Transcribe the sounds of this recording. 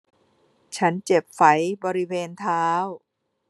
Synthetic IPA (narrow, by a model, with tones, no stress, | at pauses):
t͡ɕʰa˦˥nt͡ɕe˨˩p̚fa˩˦jbɔː˧ɾi˦˥weː˧nt̪ʰaː˦˥w